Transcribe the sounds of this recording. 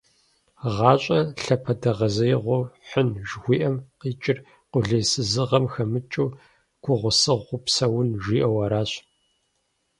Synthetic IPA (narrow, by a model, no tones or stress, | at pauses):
ʁɑːɕʼɐɬɐpʰɐdɐʁɐzɐjʁʷʊħʷənʒxʷiːʔɐmqiːt͡ʃʼɪr | qʷʊɮɐːsɨzɨʁɐmxɐmɨt͡ʃʼuː | ɡ̥ʷʰʊʁʷʊsɨʁːʷʊpsɐwʊnʒʷiːʔɐwɐɾaːɕ